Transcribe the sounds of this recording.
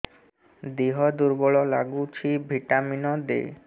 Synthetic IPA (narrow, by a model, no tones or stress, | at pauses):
d̪iɦɔd̪uɾbɔɭɔla̰ɡut͡ɕʰibʱiʈaminɔd̪ḛ